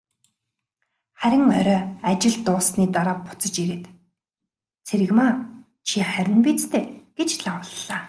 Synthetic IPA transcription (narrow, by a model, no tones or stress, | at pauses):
χæɾʲɪ̆ŋœɾʲœːat͡ɕɪ̆ɮt̪ʊːsniːt̪aɾaːpʊ̥t͡sə̆t͡ɕiɾĕt̪ | t͡sʰeɾɘ̆ɣmaː | t͡ɕʰiχæɾʲɪ̆np̬iːt͡st̪ʰeːɡ̥et͡ɕɮawə̆ɮːaː